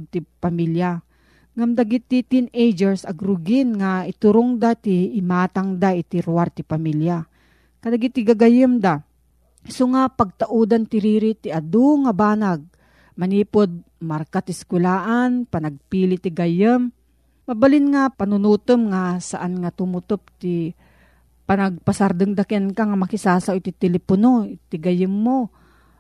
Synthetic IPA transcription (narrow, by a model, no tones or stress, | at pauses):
t̪ɪpamilja | ŋamd̪aɡit̪ːɪt̪inejd͡ʒɛɾsɐɡɾʊɡɪnŋaɪt̪ʊɾʊŋd̪at̪iːmaːt̪aŋd̪aɪt̪ɪɾwaɾt̪ɪpamilja | kad̪aɡit̪ːɪɡaɡajəmd̪a | soŋapɐɡ̚t̪aʔud̪ant̪ɪɾiːɾit̪ɪʔad̪uŋabaːnaɡ̚ | mɐniːpod̪̚ | maɾkat̪ɪskwɛlaːʔanpɐnɐɡ̚piːlɪt̪ɪɡajəmː | ɐbalɪnŋapɐnʊnuːt̪ɨmŋasaʔanŋat̪ʊmʊt̪op̚t̪ɪ | panɐɡ̚pasaɾd̪ɨŋd̪akɪankaŋamɐkɪsaːsawt̪ɪt̪ɛlɛponot̪ɪɡajɪmːo